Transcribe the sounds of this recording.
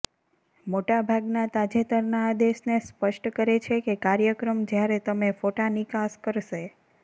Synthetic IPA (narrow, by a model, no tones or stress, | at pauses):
moʈabʱaɡnat̪ad͡ʒet̪əɾnaːd̪eʃnespəʃʈkəɾet͡ʃʰekekaɾjəkɾəmd͡ʒjaɾet̪əmefoʈanikaskəɾʃe